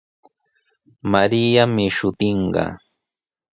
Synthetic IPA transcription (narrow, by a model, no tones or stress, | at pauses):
maɾijamɪʃʊt̪ɪɴɢɑ̰